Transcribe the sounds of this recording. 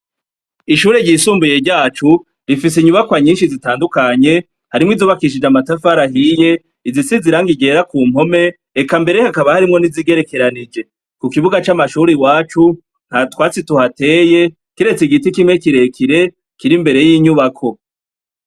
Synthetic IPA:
iʃuːɾeɟisuːmbuje̞ɾɟaːt͡ʃu | ɾifis̬iɲuβakwaɲiːnʃizitaːndukaɲe̞ | haɾimŋizuːβakiʃ̬id͡ʒamatafaɾaɦije̞ | izisiziɾaŋɡiɟe̞ːɾakuːm̥ho̞me̞ | ekambe̞ɾehakaβahaɾimŋo̞niziɡe̞ɾe̞ke̞ɾanid͡ʒe̞ | kukiβuɡat͡ʃamaʃuɾiwaːt͡ʃu | n̥hatwaːt͡situhate̞ːje̞ | kiɾe̞t͡siɡitikimŋe̞kiɾe̞kʰiɾe̞ | kiɾimbe̞ɾe̞jiːɲuβakʰo̞

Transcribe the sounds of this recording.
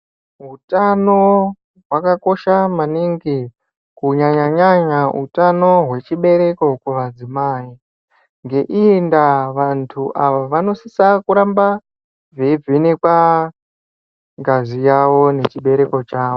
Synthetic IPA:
ɦutano | ɦwakako̞ʃamaniŋɡi | kuɲaɲaɲaɲaɦṵtano̞ɦwe̞t͡ʃiɓe̞ɾe̞ko̞kuʋad͡zimaːi | ŋɡe̞ʔiendaʋantʰuʔaʋaʋano̞sisakuɾamba | vevinekwa | ŋɡʱazijaʋo̞ne̞t͡ʃiɓe̞ɾe̞ko̞t͡ʃaːʋo

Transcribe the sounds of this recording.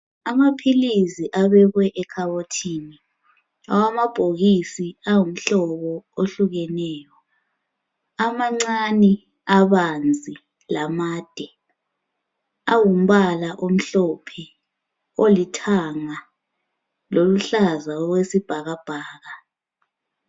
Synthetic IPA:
amapʰilisiʔaβɛɣwɛʔɛkʰaβotʰiːni | a̰wamab̥ʱoɣisiawum̩ɬɔβɔoɬuɣɛnɛːjɔ | amaŋ͡ǀanɛ | aβand͡zʱi | lamaːd̥ʱɛ | awum̩βalaʔom̩ɬɔpʰɛ | olitʰaŋa | loluɬazaɔɣwesib̥ʱaɣab̥ʱaːɣa

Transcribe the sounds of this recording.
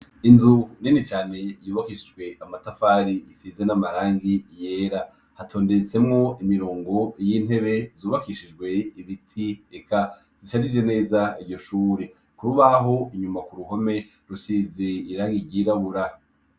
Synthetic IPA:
inzuninit͡ʃaːne̞juːβakiʃid͡ʒɡwe̞ʔamatafaːɾiːsiːzenamaɾaːŋɡije̞ːɾa | hatʰo̞ːndet͡se̞mŋo̞imiɾoːŋɡo̞jiːn̥he̞βe̞zuːβakiʃid͡ʒɡwe̞iβitʰiekʰa | z̥iʃad͡ʒid͡ʒe̞ne̞ːzaiɾɟo̞ʃuːɾe̞ | kuɾuβaɦo̞iɲumakuɾuɦo̞me̞ | ɾusiːzeiɾaŋɡiɡiɾaβuɾa

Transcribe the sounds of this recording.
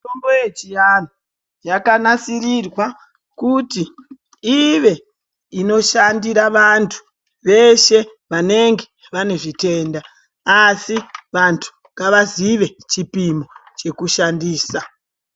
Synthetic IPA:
tombojet͡ʃijan̤o | jakanasirirwa | kuti | iʋe̞ | ino̞ʃandiɾaʋantʰu̥ | ʋe̞ʃe̞ | ʋane̞ŋɡe̞ | ʋane̞ʐite̞ːndaː | siʋantʰu̥ | ŋkaʋaziʋe̞t͡ʃipimo̞t͡ʃe̞kuʃandiːsa

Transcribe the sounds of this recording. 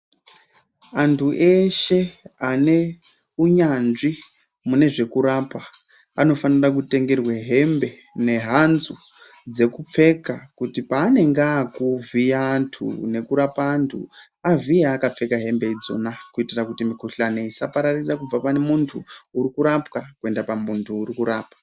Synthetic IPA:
antʰuʔe̞ʃe̞ane̞ | uɲanʐi | mune̞ʐe̞kuɾapa | ano̞fanirak̬ute̞ŋɡe̞rweɦe̞mbe̞ | ne̞ɦanzu | d͡ze̞kup͡fe̞kakutipaːne̞ŋɡakuvijaːntʰṵne̞kuɾapaːntʰṵ | avijaːkap͡fe̞kaɦe̞mbe̞id͡zo̞̰nakuitirakutimikuɬaneisapaɾarirakub͡vapane̞muntʰuːɾikuɾapkakue̞ndapamuntʰuːrikuɾaːpḁ

